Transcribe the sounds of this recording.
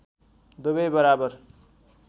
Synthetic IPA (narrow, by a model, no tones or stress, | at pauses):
d̪ubʌjbʌɾabʌr